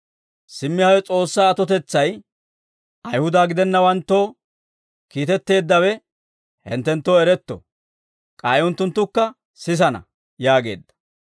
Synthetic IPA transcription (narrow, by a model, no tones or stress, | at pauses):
sɪmːɪhɐwɛt͡sʼo̞ːsːaːɐt̪ɔt̪ɛt͡sːɐj | ʔɐjhʊd̪aːɡɪd̪ɛnːɐwɐnt̪ːo̞ː | kiːt̪ɛt̪ːe̞ːd̪ːɐwɛ | hɛ̰nt̪ːɛnt̪ːoːɛɾɛt̪ːɔ̰ | kʼaːjʊnt̪ːʊnt̪ːʊkːɐ | sɪs̬ɐnɐ̰ | jaːɡe̞̰ːd̪ːɐ̥